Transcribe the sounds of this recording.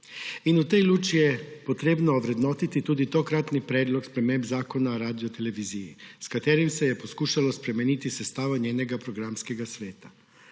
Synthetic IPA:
inut̪ɛjluːt͡ʃijɛpot̪ɾeːbnɔːʋɾɛd̪nɔːt̪it̪it̪uːd̪it̪okɾat̪nipɾɛːd̪lɔkspɾɛmembzaːkonaoɾaːd̪ijot̪ɛleʋizijḭskat̪eːɾimsɛjɛposkuːʃalɔspɾɛmɛniːt̪isɛst̪aːʋoɲʲeːnɛɡapɾoɡɾamskɛɡasʋeːt̪ḁ

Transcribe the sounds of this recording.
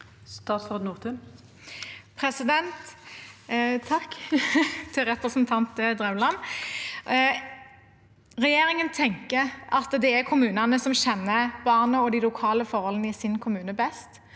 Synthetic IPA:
st̪ɑːt̪sʁod̪nuːʁt̪ʰʉn | pʰʁɛsɪd̪ɛnt̪ | t̪ʰɑkː | t̪ʰɪlʁɛpɾəsnt̪ʰɑnt̪əd̪ʁɛmlɑn | ʁɛjeːʁɪŋənt̪ʰɛŋkəɾʔɑt̪d̪ɛækʰʊmʉːnɑnəsɔmɕɛnːəb̥ɑʁnəɔd̪ilʊkʰɑːləfɔʁhɔlənɪsɪnkʰʊmʉːnəbɛst̪

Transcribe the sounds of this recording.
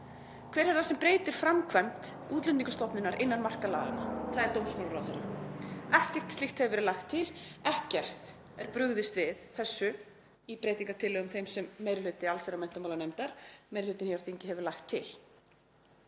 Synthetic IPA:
kʰvɛːɾ̥ɛɾasɛmpɾeːjt̪ɪɾ̥fɾamkʰvɛm̥t̪ | uːt̪lʏniŋkʏst̪ɔhpnʏnːaɾʔɪnːaɾmar̥kalaːðanaθaðɛɾt̪owmsmaːwɾawθɛrːa̰ɛhcɛr̥t̪sɪxt̪hɛvɪvɛɾʏlajxt̪ʰːɪlɛhcɛr̥t̪ | ɛɾpɾʏɣðɪst̪vɪðθɛsːʏ | ipɾeːjt̪iŋkat̪ʰɪlːœɣʏmθejmsɛmːejɾɪlʏt̪ɪalseɾamɛjn̥t̪amawlanejmt̪aɾ̥mejɾɪlʏt̪ɪnhaaɾθiɲcɪɦɛvʏɾlajxt̪ʰːɪ̰l

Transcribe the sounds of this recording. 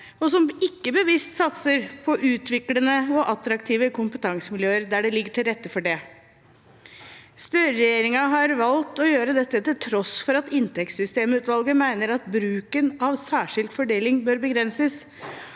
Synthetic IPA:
ɔsɔmɪkːəbəʋɪst̪sɑt̪səɾpʰɔʔʉːt̪ʰʋɪklənəɔʔɑt̪ɾɑkt̪ʰiːʋəkʰʊmpət̪ʰɑŋsəmɪljøːəɾd̪æɖɛlɪɡːəʈʰɪlɾɛt̪ːəfɔɖɛ | st̪œːɾɛjeːɾɪŋɑɦɑɾʋɑlt̪ɔjøːɾəd̪ɛt̪ːət̪ɪlt̪ʰɾɔsfɔɾɑt̪ɪnt̪ɛksʏst̪eːməʉːt̪ʋɑlɡəmæɪnəɾɑt̪bɾʉːkənɑʋsæːʂɪlɡ̪fɔɖeːlɪŋbøːɾbəɡɾɛnsəs

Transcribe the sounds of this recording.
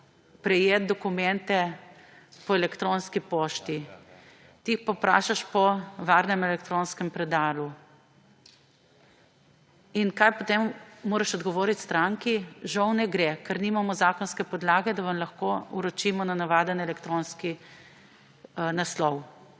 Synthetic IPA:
pɾɛjeːt̪̚d̪ɔkumɛnt̪ɛ | pɔɛlɛkt̪ɾonskipoːʃt̪i | t̪iixpɔpɾa̰ːʃaʃpɔʋaɾnɛmɛlɛkt̪ɾonskɛmpɾɛd̪aːlu | inkajpɔt̪emːoːɾaʃɔd̪ɡɔʋɔːɾit̪st̪ɾaŋkiʒawnɛɡɾekɛɾnimamɔzaːkɔnskɛpɔd̪laːɡɛd̪aʋɐmlɐxkouɾɔt͡ʃiːmɔnanaʋaːd̪ənɛlɛkt̪ɾonski | naslɔw

